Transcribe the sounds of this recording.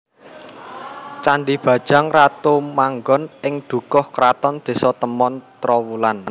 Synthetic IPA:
t͡ʃaɳɖib̥ä̤d̥ʒ̥a̤ŋrat̪omaŋɡɔnɪŋd̪̥ṳkɔhkɾat̪ɔnd̪̥e̤sɔt̪əmɔnt̪ɾɔwulan

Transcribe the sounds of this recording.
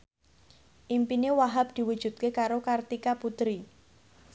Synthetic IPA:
ʔimpinewaɦap̚d̪̥i̤wud̥ʒ̥ṳt̪̚kekaɾokart̪ikaput̪ɾi

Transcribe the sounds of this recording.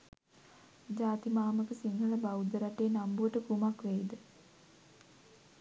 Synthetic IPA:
d͡ʑaːt̪imaːməkəsiŋɡəɭəbawd̪əɾaʈeːnambuʋəʈəkumakʋæid̪ə

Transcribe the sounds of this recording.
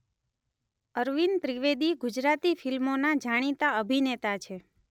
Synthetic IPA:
əɾʋint̪ɾiʋed̪iɡud͡ʒɾat̪ifʰilmonad͡ʒaɽ̃it̪aəbʱinet̪at͡ʃʰe

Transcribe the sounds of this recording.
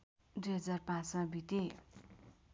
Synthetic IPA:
ɖ͡ʐed͡zarpasãbit̪e

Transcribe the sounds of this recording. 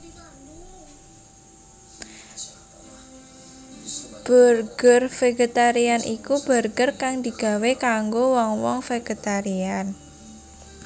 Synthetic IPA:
b̥ərɡ̥ərfeɡet̪aɾianʔikub̥ərɡərkaŋd̪i̤ɡ̥a̤wekaŋɡowɔŋwɔŋfeɡ̥et̪aɾian

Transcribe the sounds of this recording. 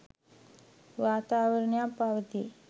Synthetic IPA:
ʋaːt̪aːʋəɾɳjapaʋət̪i

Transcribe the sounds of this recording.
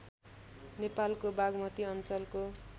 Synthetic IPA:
nepalkobaɡmʌt̪iʌnt͡sʌlko

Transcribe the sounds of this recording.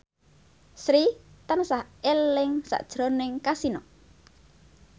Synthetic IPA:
sɾit̪ansahelɪŋsa̰ʔd̥ʒ̥ɾonɪŋkasinɔ

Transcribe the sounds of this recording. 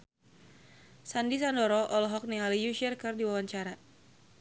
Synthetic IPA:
sandisandɔɾɔʔɔlɔɦɔk̚nialijuʃərkɨrdiwawaɲt͡ʃaɾa

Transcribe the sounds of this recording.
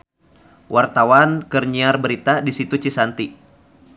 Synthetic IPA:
wʔart̪awankərɲiarbəɾit̪adisit̪ut͡ʃisant̪i

